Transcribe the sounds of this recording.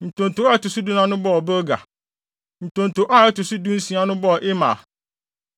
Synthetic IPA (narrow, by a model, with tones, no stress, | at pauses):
n̩˨tõ˨n˨tʊ˨˦tʊ˨su˦du˦nã˦nʊ̃˦bɔ˦ɔ˨bə˦ɡa̰˨ | n̩˨tõ˨n˨to˨ʔa˦ɛ˦tʊ˨su˦dũ˦n̩˦sĩ˨˦a˦nʊ̃˦bɔ˦˨ʔɪ˦mã̰˨